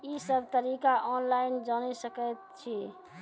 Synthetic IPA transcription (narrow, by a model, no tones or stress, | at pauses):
isəbʱt̪əɾikaʔɔnlaɪnd͡ʒanɛsəkət̪̚t͡ʃʰi